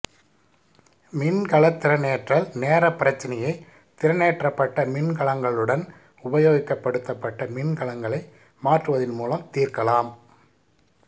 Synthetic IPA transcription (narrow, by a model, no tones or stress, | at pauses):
mɪnkɐɭɐt̪ːɪɾɐneːʈrɐlneːɾɐpːɪɾɐt͡ʃːɪnɐjɐɪ | t̪ɪɾɐneːʈrɐpːɐʈːɐmɪnkɐɭɐŋɡɐɭɯɽɐn | ʊbɐjoːɣɪkːɐpːɐɽɯt̪ːɐpːɐʈːɐmɪnkɐɭɐŋɡɐɭɐɪ | maːʈrɯʋɐðɪnmuːlɐmt̪iːrkɐlaːm